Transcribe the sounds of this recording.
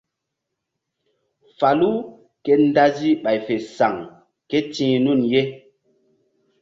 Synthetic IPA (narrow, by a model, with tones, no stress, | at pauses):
fa˨lu˦ | ke˦n˦da˦zi˦ɓa˨jfe˨sa˨ŋ | ke˦tĩː˦nu˦˨nje˦